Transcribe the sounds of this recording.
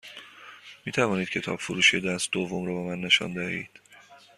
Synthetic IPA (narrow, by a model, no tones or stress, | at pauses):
miːt̪ʰævɒːniːd̪̥̚cʰe̞t̪ʰɒ̰ːbfoɾuːʃied̪æsd̪ovːomɾɔːbemænːe̞ʃɒ̰nd̪æhḭːd̪̥